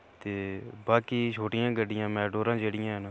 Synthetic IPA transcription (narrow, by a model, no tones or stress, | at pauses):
t̪eːbaːkiːt͡ʃʰoːʈɪjãːɡəɖɪjãːmɛ̃ːɖoːɾãːd͡ʒeːɽɪjãːɦna